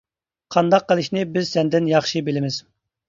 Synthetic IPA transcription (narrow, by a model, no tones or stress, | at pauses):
qʰɑnd̪ɑqːəlˠɨʃnɪbɪz̥sɛnd̪ɪnjɑχʃibɪlɪmɪz̥